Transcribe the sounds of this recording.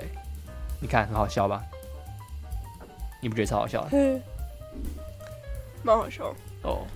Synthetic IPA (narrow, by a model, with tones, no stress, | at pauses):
e˥˩ɪni˨˩kʰa˥˩nxə˧˥nxɑ˨˩ɕjɑ˥˩ʊbɐ˩ | ni˨˩pu˥˩˥xɑ̰˨˩ɕjɑ˥ʊ˥˩˥ | mɑ˥xɑ˨˩ʊɕjɑ˥ʊo̰˥˧˩